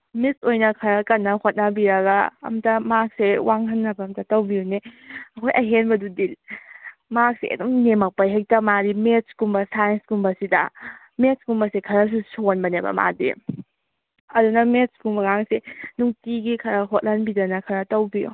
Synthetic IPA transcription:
misojnɐkʰɐɾɐkɐnːɐhot̚nɐbiɾɐɡɐɐ̰mtɐmak̚sewʔaŋhɐnːɐbɐːmtɐtɐwbiuneɐkʰojʔɐɦenbɐdudil | mak̚sḛʔḛdoŋnemɐk̚pɐjɦajk̚tɐmaɾimet̚skumbɐsajenskumbɐsidɐ̰ | metskumbɐsekʰɐɾɐs̬usonbɐnebɐ̰ma̰dḭ | ɐdunɐmetskumbɐɡaŋsenuŋtiɡikʰɐɾɐɦot̚lhɐnbidɐnɐkʰɐɾɐtɐwbijṵ

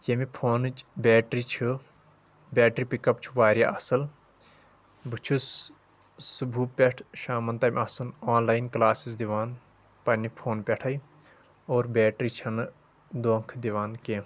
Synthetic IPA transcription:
jemipʰoːnɨt͡ʃbʲeːʈɾit͡ʃʰɨ | bʲeːʈɾipikɐp̚t͡ʃʰu̥ʋaːɾʲja̰ɐsɐl | bɨt͡ʃʰus | subʱuːpʲeʈʰʃaːmɐnt̪ɐmʲɐsunoːnlaːjnklaːsisd̪iʋaːn | pɐnːipʰoːnpʲeʈʰɐj | oːɾbʲeːʈɾit͡ʃʰɐn | d̪oːŋkʰd̪iʋaːnkeː

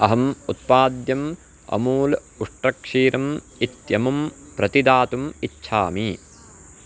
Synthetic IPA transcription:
ɐɦɐmut̪̚paːd̪jɐm | ɐ̰muːl | uʂʈɾɐkʂiːɾɐm | it̪jɐmum | pɾɐt̪id̪aːt̪umitːʃʰa̰ːmi

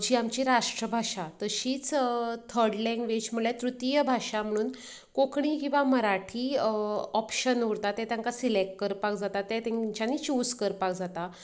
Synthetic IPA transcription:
d͡ʑiːamt͡ɕiɾaʂʈɾəbʱaɕat̪əɕiːt͡st̪ʰəɾɽlɛ̃ŋɡʋet͡ɕm̤əɭlɛt̪ɾut̪ijəbʱaʂam̤əɽ̃uːn | kokɽ̃ikĩw̃ʋaməɾaʈʰiːɔpɕənuɽt̪at̪ɛt̪jãŋkasilek̚ʈ̚kəɾpakd͡zat̪at̪ɛt̪ɛ̃ɲt͡ɕjanit͡ɕuːskəɾpakd͡zat̪a

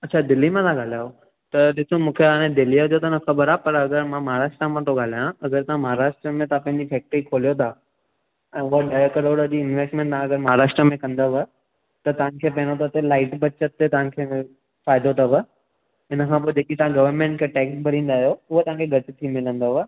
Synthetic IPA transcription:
ɐtːt͡ɕʰad̪ɪlːimãt̪ʰãɡaːl̤ajo | t̪ɐɗɪsomũːkʰeaːɽ̃ẽd̪ɪlijəd͡ʑot̪ɐnəxɐbəɾaːpɐɾɐɡəɾmãmɐɦaɾaːʃʈɾamãt̪ʰoɡaːl̤aːjãɐɡəɾt̪ɐãmɐɦaɾaːʃʈɾəmẽt̪ɐãpɐ̃ɦɪ̃ɲd͡ʑifɛːk̚ʈɾikʰoːlijot̪ʰaː | ɛ̃ːʊɦaɖajəkɐɾoːɽəd͡ʑiːɪnʋeːsʈmẽːɳʈ̪ãɐɡəɾmɐɦaːɾaːʃʈɾəmẽkɐ̃nd̪abə | t̪ɐt̪ɐʋ̤̃kʰeːpɐ̃ɦɪ̃not̪ʰat̪elaːɪʈbɐt͡ɕət̪ːet̪ɐʋãkʰe | faːɪd̪ot̪ʰabə | ɪnəkʰãp̬oːed͡ʑeːkit̪ɐʋãɡɐʋəɾmẽːɳʈkʰeʈeːksbɐɾĩːnd̪aːɦjoʊɦot̪ɐɦãkʰeɡʱɐʈɪt̪ʰimɪlə̃nd̪oa

